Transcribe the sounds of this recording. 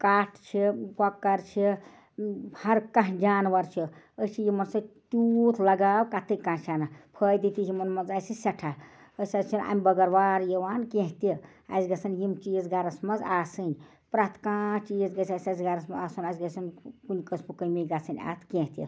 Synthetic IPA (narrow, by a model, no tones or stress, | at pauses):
kaʈʰt͡ʃʰikakːɐɾt͡ʃʰi | hɐɾkãɦd͡ʒanʋɐɾt͡ʃʰi | ət͡ʃʰijimɐnsɐ̃t̪ut̪ʰlɐɡaːbkat̪ʰːɨkːãːt͡ʃʰanapʰəjd̪it̪ijimɐnmɐnzajsisɐʈʰa | əsat͡ʃʰina̰ːmibɐɡɐɾʋaɾjewaːnkẽɦt̪i | a̰sɡɐsɐnjimt͡ʃizɡaɾɐsmɐd͡zaːsɨnʲ | pɾat̪ʰkãt͡ʃizɡɐsasasɡaɾɐsmɐaːsunasɡɐsɐnkunikəsmukəmiɡasɨnʲa̰t̪ʰkẽɦt̪ḭ